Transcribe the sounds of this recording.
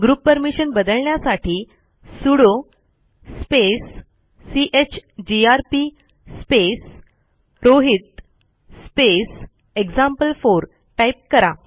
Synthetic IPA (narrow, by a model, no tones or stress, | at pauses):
ɡɾuːpːəɾmiɕənbəd̪əɭɳjasaʈʰiː | suɽo | spesː | iʔet͡ɕd͡ʑiaɾpi | spes | ɾoɦit̪̚ː | pes | eɡzampəlfoɾ | ʈaip̚kəɾa